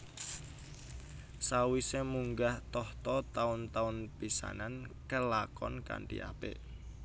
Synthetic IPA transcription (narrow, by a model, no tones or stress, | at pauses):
sawisemuŋɡaht̪ɔht̪ɔt̪aʊnt̪aʊnpisa̰nankəlakɔ̰nka̰ɳʈḭʔa̰pḛʔ